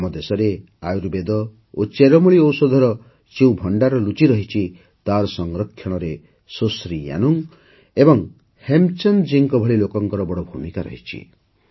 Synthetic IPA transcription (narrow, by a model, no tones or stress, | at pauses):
mɔd̪esɔɾe | ajuɾbed̪ɔ | ot͡ʃeɾɔmuɭiowsɔd̪ʱɔɾɔ | t͡ʃiũbʱɔɳɖaɾɔlut͡ʃiɾɔɦit͡ʃʰi | t̪aɾɔsɔŋɾɔkʰːjɔɽ̃ɔɾe | sosɾija̰nuŋ | ebɔŋ | hemt͡ʃɔnd͡ʒiŋkɔbʱɔɭilokɔŋkɔɾɔbɔɽɔbʱumikaɾɔ̰ɦit͡ʃʰḭ